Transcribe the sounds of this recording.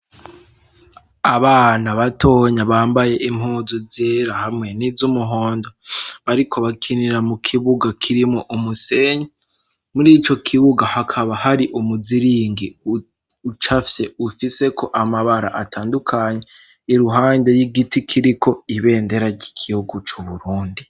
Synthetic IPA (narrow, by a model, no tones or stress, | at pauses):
aβaːnaβato̞ːɲaβaːmbaje̞ʔim̥huːzuzeɾahamŋe̞nizumuɦo̞ːndoβaɾikʰo̞βakʰiniɾamukʰiβuɡakʰiɾimoʔumuse̞ɲe | muɾiːt͡ʃo̞kʰiβuɡahakʰaβahaɾiʔumuziɾiːŋɡi | ut͡ʃafje̞ufise̞kʰo̞ʔamaβaɾa̰ʔatʰaːndukʰaɲe̞ | iɾuɦaːnde̞jiɡitikʰiɾiko̞iβe̞ːnde̞ɾaɾɟikʰihuɡut͡ʃuβuɾuːndi